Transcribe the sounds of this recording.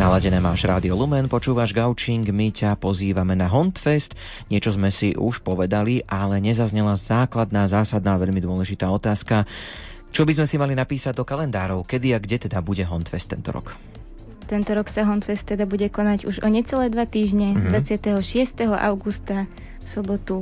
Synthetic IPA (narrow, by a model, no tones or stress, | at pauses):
nalaɟɛnɛːmaːʒɾaːd̪iɔlumɛnpɔt͡ʃuːʋaʒɡaʊt͡ʃiŋɡmicapɔziːʋamɛnaɦɔnt̪fɛst̪ | ɲɪɛt͡ʃɔzmɛsiʔuʃpɔʋɛd̪aliʔalɛɲɛzazɲɛlazaːklad̪naːzaːsad̪naːʋɛʎmid̪ʊɔlɛʒit̪aːɔt̪aːska | t͡ʃɔbizmɛsimalinapiːsaɟ̚d̪ɔkalɛnd̪aːɾɔʊkɛd̪iaɡɟɛt̪ɛd̪abuɟɛɦɔnt̪fɛst̪ːɛnt̪ɔ̰ɾɔ̰k | t̪ɛnt̪ɔɾɔksaɦɔnt̪fɛst̪ːɛd̪abuɟɛkɔnaɟuʒɔɲɛt͡sɛlɛːd̪ʋat̪iːʒɲɛd̪ʋat͡sɪat̪ɛɦɔʃɪɛst̪ɛɦɔʔa̰ʊɡust̪a | fsɔbɔt̪u